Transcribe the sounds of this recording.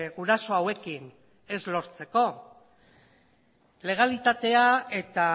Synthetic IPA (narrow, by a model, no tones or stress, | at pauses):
ɣuɾaso̞awe̞kin | e̞zlo̞ɾt͡se̞ko̞ | le̞ɣ̞alit̪at̪e̞ae̞t̪a